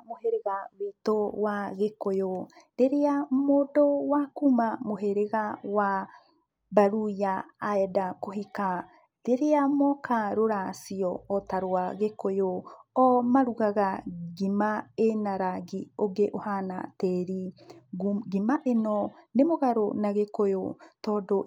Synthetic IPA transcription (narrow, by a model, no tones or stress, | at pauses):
moheɾeɣawitowaɣekojo | ɾeɾeamodɔwakumamoɦeɾeɣawa | baɾujaːedakoɦika | ɾeɾeamɔkʰaɾoɾasiɔːtaɾoaɣekojoɔmaɾuɣaɣaɡimaenaɾaɡioɡeʔohana̰teɾi | ɡimaʔenɔnemoɣaɾonaɣekojotɔdo